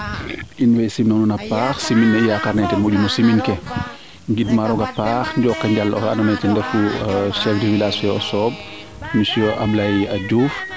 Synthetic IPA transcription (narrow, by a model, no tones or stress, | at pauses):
ʔinwɛjsimnɔnunɐpaːxsiminːɐijakaɾnɛtɛmuɟumusiminkɛ | ŋɡidmaɾɔɡɐpaːxɲɟɔːkːɐɲɟalːɔ̰ɐ̰nɔmɛjtɛndɛfuʃɛfdiwilasfɛɔsɔːb̚ | misɔʔablajɐɟuːf